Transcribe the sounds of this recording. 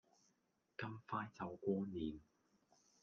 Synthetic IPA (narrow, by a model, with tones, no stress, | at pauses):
kɐ˥mfaː˥jt͡sɐ˨˧wkʷɔː˥niː˨˧n